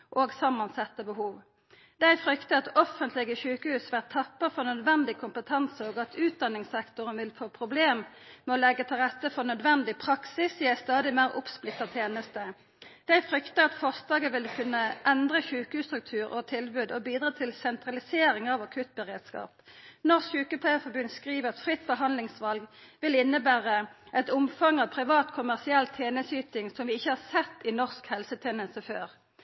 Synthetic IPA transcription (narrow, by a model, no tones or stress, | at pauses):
ʔoːɡsɑmːɑnsɛt̪ːəbəhuːʋ | d̪æɪfʁʏkt̪əɑt̪ɔfənt̪ʰlɪɡəçʉːkəhʉːsʋæʁt̪ʰɑpːəfɔʁnœd̪ʋɛnd̪ɪkʰʊmpət̪ʰɑnsəoːɡɑt̪ʰʉːt̪̚d̪ɑnːɪŋsɛkt̪ʊʁənʋɪlfoːpʰʁʊbleːmmɛɔlɛɡːət̪ʰɪlʁɛt̪ːəfɔʁnœd̪ʋɛnd̪ɪpʰʁɑksɪsjɪæst̪ɑːd̪ɪmæʁʔʊ̰psplɪt̪ːɑt̪ʰjeːnəst̪ə | d̪̥æɪfʁʏkt̪əɑt̪fɔsd̪ɑːɡəʋɪlkʰʉnːəʔɛnd̪ʁəçʉːkʉst̪ʁʉk̚t̪ʰʉːʁɔt̪ʰɪlbʉːd̪ɔbiːd̪ɾʁɑːt̪ʰɪlsɛnt̪ʁɑlɪseːɾɪŋɑʋɑkʰʉt̪̚bəʁeːd̪skɑ̰ːpnɔʁsçʉːkəpʰeːəfɔbʉnd̪skʁiːʋəʁɑt̪fʁɪt̪ːbəɦɑnlɪŋsʋɑlɡʋɪlɪnːəbæːʁəʔɛt̪ʊmfɑŋɑːʋpʰʁɪʋɑːt̪kʰʊmæʁsɪɛlt̪ʰjeːnəsyːt̪ɪŋsɔmʋɪɪçːəhɑːʁsɛt̪ːɪnɔʁskhɛlsət̪ʰɛːnəsəføːʁ